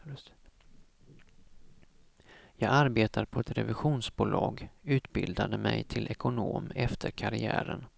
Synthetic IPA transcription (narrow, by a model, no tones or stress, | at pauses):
jɑːɡaɾbeːt̪ʰaɾpʰɔɛt̪ɾɛvɪɧuːnsbuːlɑːɡʉ̟ːt̪bɪld̪ad̪əmɛjt̪ʰɪlʔɛkʊnoːmɛft̪ʰəɾkʰaɾɪæːɾən